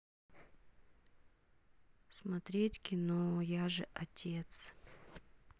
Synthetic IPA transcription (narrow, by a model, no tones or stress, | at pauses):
smɐt̪ɾʲetʲkʲɪnojaʐɨʔɐtʲet̪s